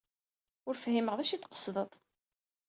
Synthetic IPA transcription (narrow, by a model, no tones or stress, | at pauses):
ʊɾfhiməʁðæʃit̪ːqə̥sˤðˤət̪ˤ